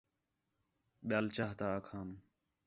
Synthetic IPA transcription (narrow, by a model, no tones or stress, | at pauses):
ɓjaːlt͡ʃaːɦt̪aːkʰaːm